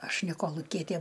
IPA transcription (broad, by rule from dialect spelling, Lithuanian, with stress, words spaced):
ˈɐʃ nʲɛ koːlˠʊˈkʲiɛtʲeː